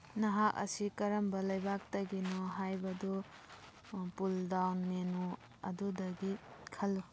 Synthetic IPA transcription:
nɐɦak̚ɐ̰sikɐɾɐmbɐlɐjbak̚tɐɡinɔɦajbɐdɔ | puldawnmenu | ɐ̰dudɐɡikʰɐlːu

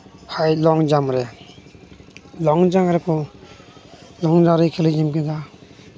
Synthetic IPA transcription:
hajlɔŋd͡ʒamɾe | lɔŋd͡ʒamaɾekʰɔ | lɔŋd͡ʒaɾɯkʰelɯzimkeda

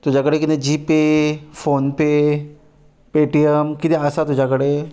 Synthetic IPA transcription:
t̪ud͡ʑʱakəɽekit̪ẽd͡ʑipefonpe | peʈiəmkit̪eəsat̪ud͡ʑʱakəɽe

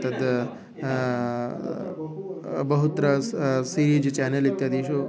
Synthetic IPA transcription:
t̪ɐd̪ | bɐɦut̪ɾəsiɾiːd͡ʒt͡ʃɛːnelit̪jad̪iːʃu

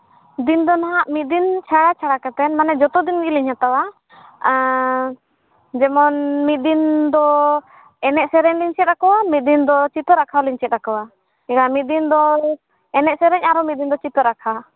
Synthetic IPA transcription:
d̪ind̪ɔnaɦaʔmit̪̚d̪int͡ʃʰaɽat͡ʃʰaɽakat̪ɛnmanɛd͡ʒɔt̪ɔd̪inɡiliɲhat̪awa | d͡ʒɛmɔnmit̪̚d̪ind̪ɔ | ɛnɛʔsɛɾɛɲliɲt͡ʃɛt̪̚ɾakɔwamit̪̚d̪ind̪ɔt͡ʃit̪ɔɾakʰaliɲt͡ʃɛt̪̚ɾakɔwa | ɛɡamit̪̚d̪ind̪ɔ | ɛnɛʔsɛɾɛɲaɾɔmit̪̚d̪ind̪ɔt͡ʃit̪ɔɾakʰa

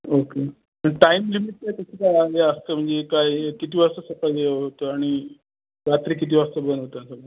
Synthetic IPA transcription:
oke | pəɳʈaimlimiʈ̚kajk̪əsikajaɡeəst̪əm̤əɳd͡zekajkit̪iːʋast̪əsəkaeɦot̪əaɽ̃i | ɾat̪ɾiːkit̪̬iːʋast̪əbənɦot̪əsəɡə

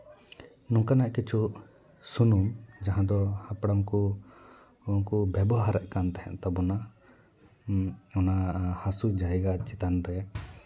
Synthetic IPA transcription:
nũŋkanaʔkit͡ʃʰu | sunumd͡ʒaɦãd̪ɔhapɽamku | uŋkubjɛbɔɦaɾɛʔkant̪ɛɦɛ̰̃ʔt̪ɔbɔna | ɔnahasud͡ʒajɡat͡ʃit̪and̪ɛa

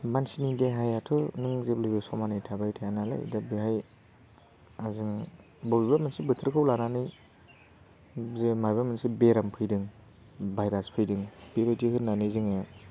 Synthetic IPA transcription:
mansinideɦajatʰɯnɯŋzeplɯbɯsɔmanɯjtʰabajtʰajanala̰jdabiɦaj | aziŋ | bɔbibamɯnsibɯtʰɯɾkʰɯwlananɯj | zemajbamɯnsibeɾampʰɯjdɯŋ | bajɾaspʰɯjdɯŋb̥eɾadiɦhɯnːanɯjziŋe

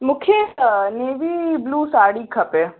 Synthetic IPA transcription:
mʊkʰjeneːʋibluːsaːɽiːkʰɐpe

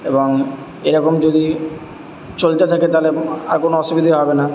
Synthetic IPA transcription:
eboŋ | eɾɔkomd͡ʑod̪i | t͡ɕolt̪et̪ʰaket̪alea̰ɾkonoɔʃubid̪ʱiɦɔbena

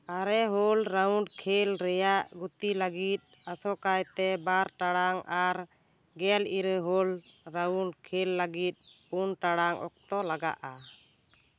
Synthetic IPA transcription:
aɾɛɦɔlɾawɳɖkʰelɾɛjaʔɡut̪ilaɡit̪̚ | asɔkajt̪ɛbaɾʈaɽaŋaɾ | ɡɛliɾɦɔlɾawɳɖkʰelːaɡit̪̚ˀpunʈaɽaŋʔɔ̰k̚t̪ɔlaɡa̰ʔa

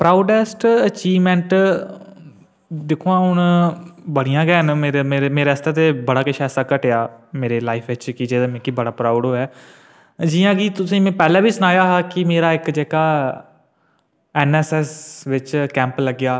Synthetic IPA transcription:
pɾaːʊɖɛːsʈət͡ʃiːʋmɛ̃ːɳʈ | d̪ɪkʰːoːãːɦʊnbəɽɪjãːɡɛːənmeːɾemeɾemeːɾeːst̪aːt̪eːbəɽaːkɪʃʰɛːsaːkəʈeːjaːmeːɾeːlaːɪpʰʋɪt͡ʃkid͡ʒeːamɛ̃ːkibəɽaːpɾaːʊɖɦoːɛː | d͡ʒiːãːkit̪ʊsĩːmɛ̃ːpɛːlɛ̃ːbʱiːsʊnaːjaːɦaːkɪmeːɾaːɪkd͡ʒeːkaː | ɛːnɛːsɛːsʋɪt͡ʃkɛ̃ːmpləɡɪjaː

